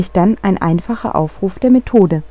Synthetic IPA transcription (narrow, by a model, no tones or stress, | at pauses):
ɪçd̥anaɪnʔa̰ɪnfaχɐ̰ʔa̰ʊfʁ̥uːfd̥eːɐmetʰoːdə